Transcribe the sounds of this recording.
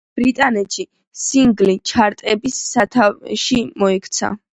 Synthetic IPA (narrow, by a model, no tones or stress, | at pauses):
b̥ɾit̪ʼanɛt̪ʃi | siŋɡlit͡ʃʰaɾt̪ʼɛbisːat̪ʰaʃimɔɛkʰt̪sʰa̰